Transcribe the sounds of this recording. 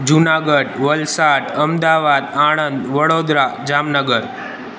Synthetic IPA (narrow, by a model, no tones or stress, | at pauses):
d͡ʒunaɡəɖʋəlsaɖəmd̪aʋad̪aɽ̃ənd̪ʋəɽod̪ɾad͡ʒamnəɡəɾ